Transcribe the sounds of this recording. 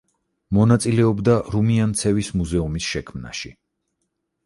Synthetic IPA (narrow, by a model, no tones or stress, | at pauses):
mɔnat̪sʼilɛɔbd̪aɾumiant̪sʰɛvismuzɛumisʃɛkʰmna̰ʃi